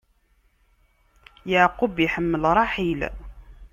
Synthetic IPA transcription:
jəʕqʊbjħəmːəlɾˤɑħil

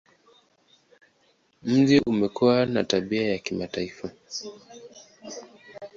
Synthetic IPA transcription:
m̩ʄiʔumɛkuwana̰taɓiajakimataifa

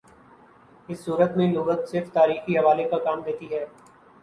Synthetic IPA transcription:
ɪsːuːɾət̪mẽluːʋət̪sɪɾft̪aːɾiːxiɦɐʋaːlekakaːmd̪eːt̪iɦɛː

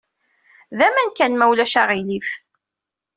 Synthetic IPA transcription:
ðæmænkænmæwlæʃaʁilif

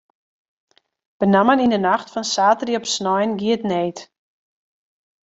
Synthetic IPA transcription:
b̥ənamənindənaxtfɔnsaːtəriɔpsnɔjnɡiətneːt

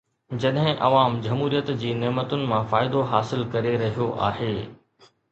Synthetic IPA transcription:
d͡ʑɐɗɦɪ̃ʔɐʋaːmd͡ʑɐmɦuːɾijət̪d͡ʑiːnɛːmət̪ʊnɪ̆mãfaːɪd̪oɦaːsɪlkɐɾeɾɐɦijoʔa̰ːɦeː

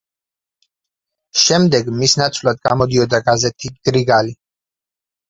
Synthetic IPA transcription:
ʃɛmd̪ɛɡmisnat̪sʰvlˠad̪̚ɡamɔd̪iɔd̪aɡazɛt̪ʰiɡ̥ɾiɡali

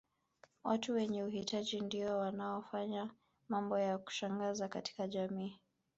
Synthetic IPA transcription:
wʔatuwɛɲɛuhitaʄindiɔwanaɔfaɲa | mambɔjaku̥ʃaŋɡazakati̥kaʄamiː

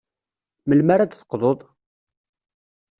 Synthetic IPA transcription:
məlmaɾad̪θə̥qːðˤoðˤ

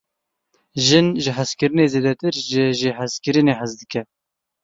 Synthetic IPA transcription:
ʒɪnʒɨɦæzkɨɾɨneːzeːd̪ɛt̪ɨɾʒəʒɪɦæzkɨɾɨneːɦæzd̪ɨkʲɛ

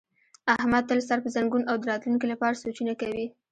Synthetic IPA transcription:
ahmad̪̚t̪alasaɾpəzaŋɡunawd̪əɾɑt̪luŋkilapɑɾasot͡ʃunakawi

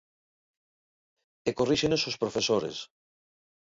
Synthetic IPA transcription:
ekoriʃenesospɾofesoɾḛs

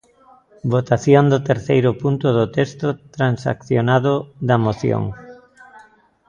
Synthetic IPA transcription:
bot̪aθjond̪ʊt̪eɾθejɾʊpunt̪ʊðʊt̪est̪ʊt̪ɾansa̰kθjonaðʊðɐmoθjo̰ŋ

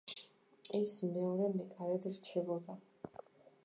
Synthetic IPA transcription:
ɛsmɛɔɾɛmɛkʼaɾɛd̪ɾt͡ʃʰɛbɔd̪a

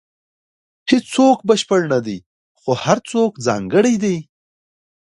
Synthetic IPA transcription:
hɪt͡st͡sokbəʃpəɽnad̪i | xohaɾt͡sokd͡zɑ̰ːŋɡəɽijd̪ej

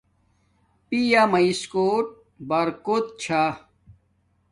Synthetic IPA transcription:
pijamɐiskoːʈ̚ | bɐɾkot̪̚t͡ɕʰa

